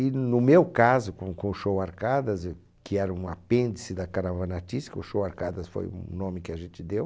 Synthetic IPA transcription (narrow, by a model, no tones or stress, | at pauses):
ɪnʊmewkazʊkõkõʊʃowaɾkad̪ɐz | kɪɛɾɐũɐpẽnd̪ɪsɪd̪ɐkaɾavanat͡ʃiskʊʃowaɾkad̪ɐsfo̰jṵnõmɪkɪaʒẽnt͡ʃ̪ɪd̪ew